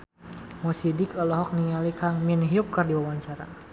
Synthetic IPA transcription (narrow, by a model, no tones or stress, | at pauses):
mɔsidɪkɔlɔɦɔk̚niŋalikʰaŋminɦiup̚kərdiwawaɲt͡ʃaɾa̰